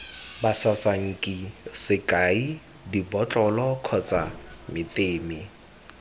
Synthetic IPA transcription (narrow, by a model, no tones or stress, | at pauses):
basasaŋ̩kʼisɪkʼai | dibɔt͡ɬʼɔlɔkʰɔt͡sʼamɪtʼeːmi